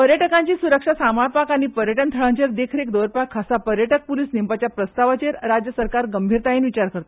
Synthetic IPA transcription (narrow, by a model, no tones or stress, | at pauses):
pəɾjəʈəkãɲt͡ɕiːsuɾəkʂasamaɭpakaɽ̃ipəɾjəʈənt̪ʰəɭaɲt͡ɕeɾd̪ekʰɾekd̪oɾpakʰːasapəɾjəʈək̚pulisnimpat͡ɕjapɾəst̪aʋat͡ɕeɾɾad͡ʑjəsəɾkaɾɡəmbʱiɾt̪ainʋit͡ɕaɾkəɾt̪o